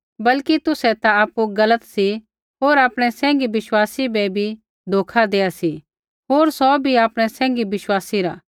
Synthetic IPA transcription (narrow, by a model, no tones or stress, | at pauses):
bɐlkit̪ʊsɛt̪aaːpuɡɐlət̪si | ɦoːɾaːpɽ̃ɛsɛ̃ːŋɡiʋɪʃwaːsibɛbʱi | d̪ʱoːkʰad̪eːasi | ɦoːɾsɔbʱiaːpɽ̃ɛsɛ̃ːŋ̆ɡibɪʃwaːsiɾa